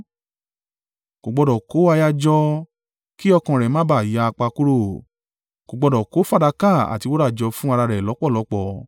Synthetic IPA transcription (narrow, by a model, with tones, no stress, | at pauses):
ɡ̥o˨ɡ͡bɔ˧dɔ˨ko˨˦a˧ja˧d͡ʒɔ˧ | ki˦ɔ˧kã˨ɾɛ˨mãː˦ba˦˨ja˧k͡pa˧ku˦ɾo˦˨ | ɡ̥o˨ɡ͡bɔ˧dɔ˨ko˨˦fa˦˨da˧ka˦˨a̰˨ti˧wo˦ɾa˦˨d͡ʒɔ˧fũ˦a˧ɾa˧ɾɛ˨lɔ˨˦k͡pɔ˦˨lɔ˨˦k͡pɔ˧˨